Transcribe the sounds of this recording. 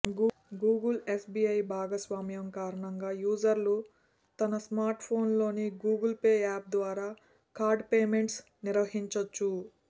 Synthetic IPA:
ɡuːɡɐlesbiːɐjbʱaːɡɐsʋaːmjɐmkaːɾɐɳɐŋɡaːjuːd͡ʒɐɾlu | t̪ɐnɐsmaːɾʈpʰo̞ːnlo̞ːniɡuːɡɐlpeːaːp̚d̪ʋaːɾaː | kaːɾɖpeːmeɳʈs | niɾʋɐɦiɲt͡ʃɐt͡ʃːu

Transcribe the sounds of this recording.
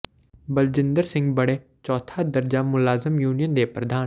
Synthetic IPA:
bəld͡ʒɪ̃nd̪əɾsɪ̃ŋɡbəɽ̃ẽː | t͡ʃɔːt̪ʰaːd̪əɾd͡ʒaːmʊlaːzəmjuːnijənd̪eːpɾəd̪aː

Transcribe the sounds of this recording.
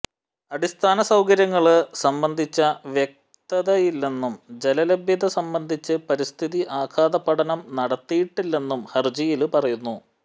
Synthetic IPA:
ɐɽist̪ʰaːnɐsɐwkɐɾjɐŋːɐɭɨsɐmbɐnd̪ʱit͡ɕːɐʋjek̚ | t̪ɐðɐjilːe̞nːumd͡ʑe̞lɐlebjɐd̪ɐsɐmbɐnd̪ʱit͡ɕːɨpɐɾist̪ʰiðiʔaːkʰaːd̪ɐpːɐɽɐnɐmnɐɽɐt̪ːijiʈːilːe̞nːumhɐrd͡ʑijilpɐrɐjunːu

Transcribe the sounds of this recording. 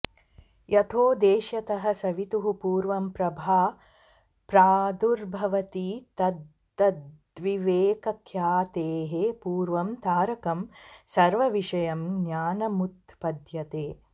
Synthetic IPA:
jʔɐt̪ʰoːd̪eːʃjɐt̪ɐɦɐsɐʋit̪uɦupuːɾʋɐmpɾɐbʱaː | pɾaːd̪uɾbʱɐʋɐt̪it̪ɐd̪ | ɐd̪ | ʋiʋeːkɐkʰjaːt̪eːɦepuːɾʋɐmt̪aːɾɐkɐmsɐɾʋɐʋiʃɐjɐmnaːnɐmut̪pɐd̪jɐt̪eː

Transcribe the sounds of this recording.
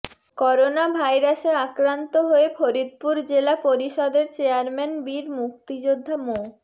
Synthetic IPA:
kɔɾonabʱajɾaseakɾant̪oɦoefʰoɾid̪̚puɾd͡ʑelapoɾiʃɔd̪eɾt͡ɕeaɾmɛnbiɾmuk̚t̪id͡ʑod̪ʱːamo

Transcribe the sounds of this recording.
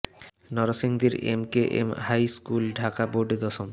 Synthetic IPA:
nɔɾosiŋd̪iɾḛmkeʔḛmhajskulɖʱakaboɾɖed̪ɔʃom

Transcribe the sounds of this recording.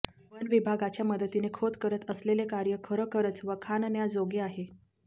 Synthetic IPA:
pənʋibʱaɡat͡ɕjaməd̪ət̪inekʰot̪kəɾət̪əslelekaɾjəkʰəɾəkəɾət͡sʋəkʰannjad͡zoɡeaɦe

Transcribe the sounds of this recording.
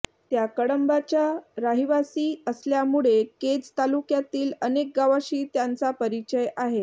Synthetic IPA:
t̪jakəɽəmbat͡ɕjaɾaɦiʋasiːəsljamuɭeked͡zt̪alukjat̪iːlənek̚ɡaʋaɕiːt̪jant͡sapəɾit͡ɕəjaɦe

